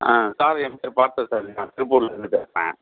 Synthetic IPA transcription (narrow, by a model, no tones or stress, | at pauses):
ãːsaːɾɛmpeːɾpaːɾt̪ɐ̃saːɾɪlɪŋaːt̪ɪɾɯpːuːɾlɐɾɛnd̪ɯpeːsɐɾɛ̰̃ː